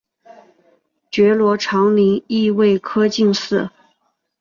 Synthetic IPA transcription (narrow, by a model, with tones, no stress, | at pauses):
t͡ɕɥɛ˧˥lwɔ˧˥ʈ͡ʂʰɑ˧˥ŋli˧˥ŋi˥˧we˥˩ɪkʰɤ˥t͡ɕi˥˧ŋsɹ̩˥˩